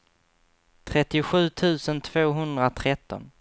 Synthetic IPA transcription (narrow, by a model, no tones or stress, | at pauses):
t̪ʰɾɛt̪ːɪʊɧʉ̟ːt̪ʰʉ̟ːsənt̪ʰv̥oːɦɵnd̪ɾat̪ʰɾɛt̪ːɔ̰n